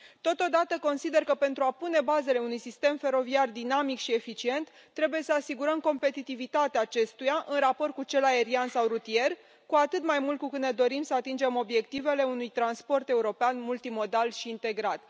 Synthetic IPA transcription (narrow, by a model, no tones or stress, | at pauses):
t̪o̞t̪o̞d̪at̪əko̞nsid̪e̞rkəpe̞nt̪ɾuapune̞baze̞le̞unujsist̪e̞mfe̞ɾo̞viard̪inamikʃie̞fit͡ʃie̞nt̪ːɾe̞buje̞səasiɡuɾəmko̞mpe̞t̪it̪ivit̪at̪eaːt͡ʃe̞st̪ujaʔɨnrapo̞rt̪̚kut͡ʃe̞lae̞ɾiansawrut̪ie̞r | kuat̪ɨt̪majmult̪̚kukɨt̪ned̪o̞ɾimsəat̪ind͡ʒe̞mo̞bje̞kt̪ive̞le̞unujt̪ɾanspo̞rt̪e̞uɾo̞peanmult̪imo̞d̪alʃiːnt̪e̞ɡɾat̪